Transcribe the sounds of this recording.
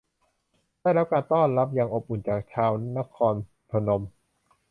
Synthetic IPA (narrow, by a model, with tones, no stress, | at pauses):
daː˥˩jɾa˦˥p̚kaː˧nt̪ɔː˥˩nɾa˦˥p̚jaː˨˩ŋʔo˨˩p̚ʔu˨˩nt͡ɕaː˨˩k̚t͡ɕʰaː˧wna˦˥kʰɔː˧n | pʰa˧no˧m